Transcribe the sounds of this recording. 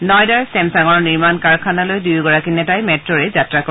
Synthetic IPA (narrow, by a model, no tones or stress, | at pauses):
nɔjdaɹsɛmsaŋɔɹniɹmankaɹkʰanalojdujɡɔɹakinɛtajmɛtɹɔɹɛzatɹak